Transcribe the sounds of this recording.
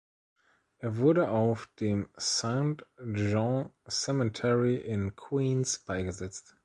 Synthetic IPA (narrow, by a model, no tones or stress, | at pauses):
ʔeːɐvʊɐɾəʔaʊfd̥eːmsãʊ̃ntʒɔ̃sɛmətʰɛɹiʔɪ̃nkʰwiːnsb̥aɪɡəzɛt͡st